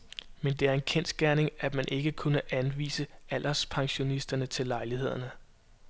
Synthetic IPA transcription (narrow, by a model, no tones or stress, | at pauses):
mend̥e̝æɐe̝nkʰensɡ̥æɐne̝ŋæ̥mænʔe̝ɡ̥əkʰunəʔænʋḭːsəæl̰ʔɐspʰɑ̈ŋɕo̝nisd̥ɐnət͡sʰe̝lːɑ̈ɪlihe̝ð̞̰ˠɐnə